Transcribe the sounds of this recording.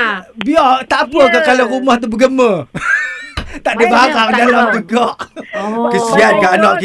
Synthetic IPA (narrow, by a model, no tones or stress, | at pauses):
biɔt̪aʔpəkakalorumaht̪̬ubəɡəmə | t̪aʔdibakardalamt̪əɡɔʔ | kəsiankaʔnɔʔki